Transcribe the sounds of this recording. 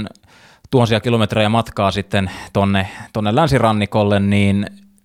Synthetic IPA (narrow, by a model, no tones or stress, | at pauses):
n | t̪uhɑnsiɑkilomet̪rejæmɑt̪kɑːsit̪ːent̪onːet̪onːelænsirɑnːikolːenniːn